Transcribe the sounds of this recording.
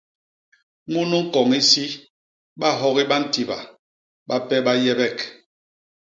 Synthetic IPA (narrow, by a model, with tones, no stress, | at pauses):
ŋu˦nu˦ŋ̩˦kɔ˨ŋi˦si˦ | ɓa˦ɦɔ˦ɣi˦ɓa˦n̩˦ti˨ba̰˨ | ɓa˦pɛ˦ɓa˦jɛ˦bɛ˦k